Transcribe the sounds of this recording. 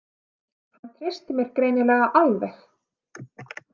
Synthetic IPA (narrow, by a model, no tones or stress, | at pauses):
hhant̪ʰɾe̥st̪ɪmjɛɾ̥kɾeːjnɪlɛːɣaʔalvɛθ